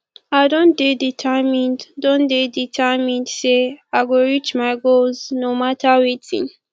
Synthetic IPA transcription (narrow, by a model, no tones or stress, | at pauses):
aɪdõndeditʰamĩnddõndeditʰɛmĩndseaɡoɹit͡ʃmaɪɡolznomatʰawetḭ̃n